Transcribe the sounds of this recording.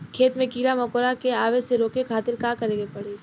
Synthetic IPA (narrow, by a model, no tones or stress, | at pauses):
kʰeːt̪mẽkiːɾamɐkoːɾakeaːʋeseɾoːkekʰaːt̪ɪɾkakɐɾẽːɡepɐɽ̤eː